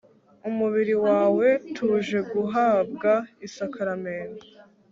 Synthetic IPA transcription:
umuβiɾiwaːwe̞tʰuʒe̞ɡuɦaːb̚ɡaisakaɾameːna

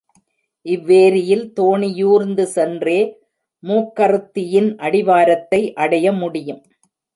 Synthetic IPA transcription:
ʔɪʋːeːɾɪjɪlt̪oːɳɪjuːɾnd̪ɯsɛndreː | muːkːɐɾɯt̪ːɪjɪnʔɐɽɪʋaːɾɐt̪ːɐɪʔɐɽɐjɐmʊɽɪjɯm

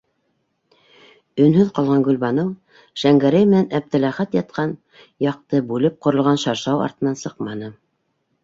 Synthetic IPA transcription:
ɵ̆nhɵðqɑlˠʁɑŋɡɵlβɑnɤw | ʃæŋɡæɾæjmɘ̆nænʔæb̚t̪ɘ̆læχæt̪jɑt̪̚qɑn | jɑq̚t̪ɤbʉlɘp̚qŏɾɤ̆lˠʁɑnʃɑɾʃɑwɑ̰ɾt̪ɤ̆nɑnsɤqmɑnɤ

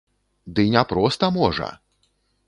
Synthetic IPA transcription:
d̪ɨnʲapɾɔst̪ɐmɔʐɐ̰

